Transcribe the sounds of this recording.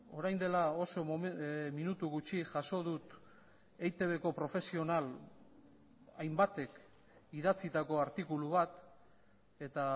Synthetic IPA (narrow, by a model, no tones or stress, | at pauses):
o̞ɾajnd̪e̞lao̞so̞minut̪uɣut͡ʃiʝaso̞ð̞ut̪ | ejt̪e̞βe̞ko̞pɾo̞fe̞sio̞nal | ajmbat̪e̞k | iðat͡sit̪ako̞aɾt̪ikuluβat̪ | e̞t̪a